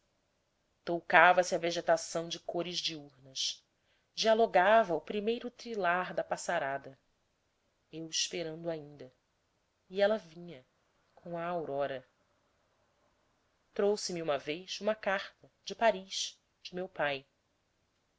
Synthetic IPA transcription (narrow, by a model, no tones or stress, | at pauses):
t̪owkavɐsɪɐveʒet̪asɐ̃w̃d͡ʒɪkoɾɪzd͡ʒɪuɾnɐʃ | d͡ʒialoɡavɐupɾimejɾʊt̪ɾilaɾd̪ɐpasaɾad̪ɐ | ewɪʃpeɾɐ̃nd̪ʊaĩnd̪ɐ | iɛlɐvĩɲɐ | kʰõw̃ɐːwɾɔɾɐ | t̪ɾowsɪmiũmɐvejsũmɐkaχt̪ɐ | d͡ʒɪpaɾiʃ | d͡ʒɪmewpaj